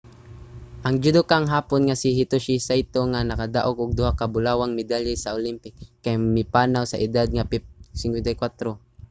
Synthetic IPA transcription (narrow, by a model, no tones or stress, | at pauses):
ʔɐŋd͡ʒʊd̪okaŋɦaːponŋasɪɦɪt̪ʊʃisajt̪oŋanɐkad̪a̰ʔoɡʊɡ̚d̪ʊhakabʊlaːwaŋmɪd̪alɛsaʔolimpɪkːajmɪpaːnawsɐʔɪd̪ad̪̚ŋapsɪŋkwɛnt̪ajkwat̪ɾo